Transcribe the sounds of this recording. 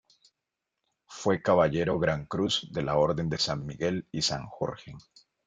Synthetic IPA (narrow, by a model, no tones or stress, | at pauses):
fwe̞kaβaʎe̞ɾo̞ɣɾaŋkɾuzd̪e̞lao̞ɾðe̞nd̪e̞sanmiɣe̞lisa̰ŋxo̰ɾxeŋ